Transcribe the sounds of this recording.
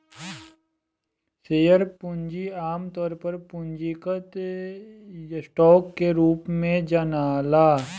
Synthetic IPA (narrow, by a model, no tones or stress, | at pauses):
seːjəɾpʊ̃ɲd͡ʒiaːmt̪ɔːɾpəɾpʊ̃ɲd͡ʒikət̪ | sʈɔːkːeɾuːpmẽd͡ʒɐnaːlaː